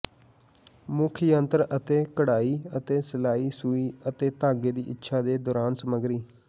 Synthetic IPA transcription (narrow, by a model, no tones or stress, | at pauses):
mʊkʰijə̃nt̪əɾət̪eːkəɽaːiːət̪eːsəlaːiːsuːiːət̪eːt̪aːɡeːd̪ḭːʔɪtːʃʰaːd̪eːd̪ɔːɾaːnsəməɡɾiː